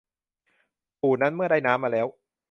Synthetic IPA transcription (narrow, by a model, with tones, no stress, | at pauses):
pʰuː˨˩na˦˥nmɯ˥˩ɐdɾa˥˩jnaː˦˥mːaː˧lɛː˦˥w